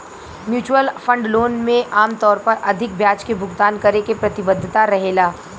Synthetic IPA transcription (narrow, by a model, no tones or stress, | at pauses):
mjuːt͡ʃwəlfɐ̃ɳɖloːnmẽʔaːmt̪ɔːɾpɐɾɐd̪ʱɪk̚bʱjaːt͡ʃkebʱʊɡt̪aːnkɐɾekepɾɐt̪ɪbəd̪ʱːɪt̪aɾɐɦeːlaː